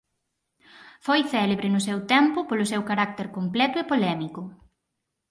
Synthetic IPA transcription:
fojθɛleβɾɪnʊsewt̪ɛmpʊpolʊsewkaɾak̚t̪eɾkomplɛt̪ʊepolɛmikʊ

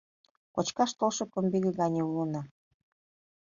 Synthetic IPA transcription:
kot͡ɕkɑʃt̪olʃɤ̆kə̆mbiɣə̆ɡɑnʲeulənɑ

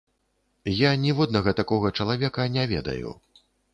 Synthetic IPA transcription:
janʲivɔd̪nɐɣɐt̪akɔɣɐt͡ʂɐlˠavʲɛkɐnʲɛvʲɛ̰d̪ɐ̰jṵ

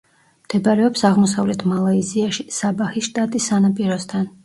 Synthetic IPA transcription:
md̪̥ɛbaɾɛɔpsaʁmɔsavlɛt̪ʰmalˠaiziaʃisabaχiʃt̪ʼat̪ʼisːanapʼiɾɔst̪ʰan

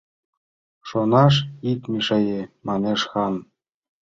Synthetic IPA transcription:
ʃonɑʃ̬ik̪mʲiʃɤ̆jemɑneʃxɑn

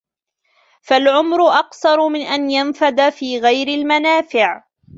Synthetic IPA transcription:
falʕʊmɾʊʔɑqsɑɾˤmɪnʔanjanfad̪afiːɣajɾɪlmanaːfɪʕ

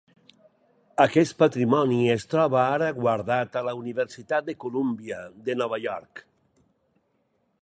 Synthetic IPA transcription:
akɛst̪pat̪ɾimɔniest̪ɾɔβaaɾaɣwaɾðat̪alauniβeɾsit̪at̪̚d̪ekulumbiəd̪enɔβaʎɔɾk

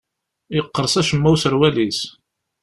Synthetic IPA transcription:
jəqːəɾˤsæʃəmːæwsəɾwælis

